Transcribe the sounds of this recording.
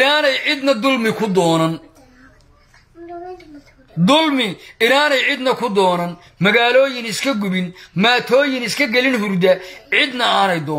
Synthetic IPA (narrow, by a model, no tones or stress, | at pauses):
aːnɛjʕɪd̪nɐd̪ʊlmɪkʰʊd̪ɔːnɐn | d̪ʊlmɪɪɾaːnɛjʕɪd̪nɐkʰʊd̪ɔːnɐn | mɐɣaːlɔːjɪnɪskʰɐɡʊβɪnmaːt̪ʰɔːjɪnɪskʰɐɡɛlɪnɦʊrd̪ɐʕɪd̪nɐaːnɛjd̪ɔː